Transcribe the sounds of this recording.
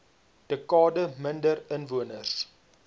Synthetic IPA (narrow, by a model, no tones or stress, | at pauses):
d̥əkɑːdəməndərənvuənərs